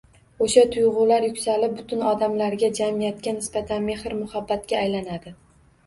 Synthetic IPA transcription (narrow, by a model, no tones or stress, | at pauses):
oʃat̪ʰʊjʁʊlaɾjʊkʲsalɪp̚bʊt̪ʰʊnɒd̪amlaɾɡʲad͡ʒamijat̪kʲanɪsbat̪ʰanme̞hɾmʊhabːat̪̚kʲaːjlanad̪ɪ